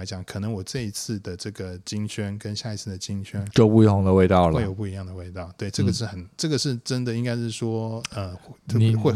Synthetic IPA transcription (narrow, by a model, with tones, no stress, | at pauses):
a˧ɪt͡ɕjɑ˨˩˦ŋkʰɤ˨˩nə˧˦ŋwɔ˨˩ʈ͡ʂɤ˥˧i˧˥t͡sʰɹ̩˥˩d̪ə˩ʈ͡ʂɤ˥˩ɡə˩t͡ɕi˥ŋɕɥɛ˥nkə˥nɕja˥˩i˧˥t͡sʰɹ̩˥˩d̪ə˩t͡ɕi˥ŋɕɥɛ˥nt͡ɕo˥˧ʊpu˥˧i˥˩xʊ˧˥ŋd̪ə˧we˥˧ɪt̪ɑ˥˩ʊlə˥˧jo˨˩ʊpu˥˩i˧jɑ˥˩ŋd̪ə˩we˥˧ɪt̪ɑ˥˩ʊt̪we˥˩ɪʈ͡ʂɤ˥˩ɡə˩ʂɻ̩˥˩xə˨˩˦nʈ͡ʂɤ˥˩ɡə˩ʂɻ̩˥˩ʈ͡ʂə˥nd̪ə˨i˥ŋka˥ɪʂɻ̩˥˩ʂwɔ˥ə˧t̪ʰxwe˥˧